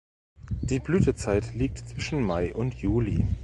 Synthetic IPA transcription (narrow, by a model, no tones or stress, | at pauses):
d̥iːblyːtət͡saɪtliːk̚tt͡sv̥ɪʃn̩maɪʔʊntʰjuːli